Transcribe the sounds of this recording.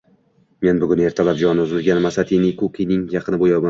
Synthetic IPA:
me̞nbʊɡʲʊne̞ɾt̪ʰalap̚d͡ʒɒnɪʊzɪlɡʲanmasat̪ʰijnɪkʰokʰʲinɪŋjɑqʰɨnɪbojɒma

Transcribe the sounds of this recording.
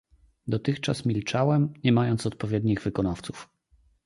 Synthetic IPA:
d̪ɔt̪ɘxt͡ʂasmʲilt͡ʂawɛmɲɛmajɔnt̪sɔt̪̚pɔvʲjɛd̪ɲiɣvɘkɔnaft̪su̥f

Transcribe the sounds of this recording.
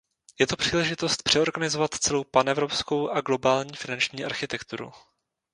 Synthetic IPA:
jɛt̪opr̥iːlɛʒɪt̪o̞st̪̚pr̥ɛo̞ɾɡanɪzo̞vat̪t͡sɛlo̞wpanɛvɾo̞psko̞wʔaɡlo̞baːlɲiːfɪnant͡ʃɲiːʔaɾxɪt̪ɛkt̪uɾṵ

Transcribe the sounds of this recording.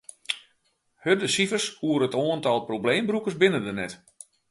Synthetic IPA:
hədəsifərshuəɾətoəntɔlˠprobleːmbrukərsbɪnədənɛt

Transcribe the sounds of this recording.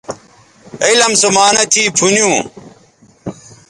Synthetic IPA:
ɐilɐmsumaːnɐt̪ʰiːpʰunjũː

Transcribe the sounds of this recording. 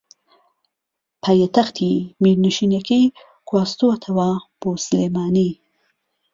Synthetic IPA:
pʰajet̪ɐxt̪ʰimiɾnuʃineki | kwaːst̪uat̪ʰɐwɑːxpoːsleːmaːni

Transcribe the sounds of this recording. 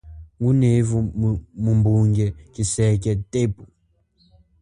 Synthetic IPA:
wunevumumbuŋɡɛkisɛkɛtepu

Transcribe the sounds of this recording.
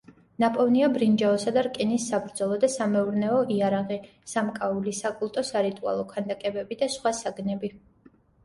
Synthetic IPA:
napʼɔvniabɾind͡ʒaɔsad̪aɾkʼɛnisːabɾd̪zɔlˠɔd̪asamɛuɾnɛɔʔiaɾaʁi | samkʼaulisakʼulˠt̪ʼɔsaɾit̪ʼua̰lˠɔkʰand̪akʼɛbɛbid̪asχwasaɡnɛbi

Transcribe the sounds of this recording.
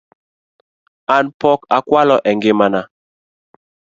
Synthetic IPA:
anpɔkakwalɔʔɛŋɡɪmana

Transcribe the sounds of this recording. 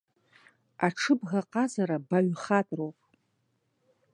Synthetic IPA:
aʈ͡ʂʰɨbɣaqʼazaɾabaɥχatʼrowpʼ

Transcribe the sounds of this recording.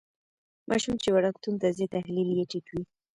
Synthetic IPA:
mʔɑ̰ʃumt͡ʃewaɽakt̪unt̪azet̪ahliljeʈikwi

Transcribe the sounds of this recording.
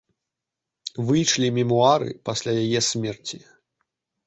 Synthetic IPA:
vɨjʂlʲimʲimuaɾɨ̰pasʲlʲajajɛsʲmʲɛrt͡sʲi

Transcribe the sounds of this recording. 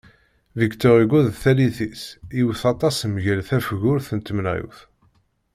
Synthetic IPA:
vikt̪əʁiɡʷuðθæliθisiwθɑt̪ˤɑsmʝælθæfʝʊɾθənt̪əmnæ̰jṵθ

